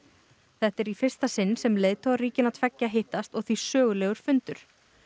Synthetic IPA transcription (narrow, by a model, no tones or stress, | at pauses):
θɛht̪ɛɾifɪr̥st̪asɪnːsɛmleːjðt̪ʰowariːcɪnat̪ʰvɛcːaɦeht̪ast̪ɔɣθisœːɣʏlɛːɣʏɾ̥fʏnt̪ʏɾ̥